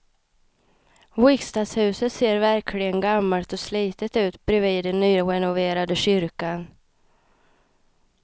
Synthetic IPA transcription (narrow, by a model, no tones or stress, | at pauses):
wɪkst̪ashʉ̟ːsət̪seːɾvæɾkʰlɪɡənɡamːalt̪ɔsliːt̪ət̪ʉ̟ːt̪bɾɛviːd̪ɛnːyːɾɛnʊveːɾad̪əɕʏɾkan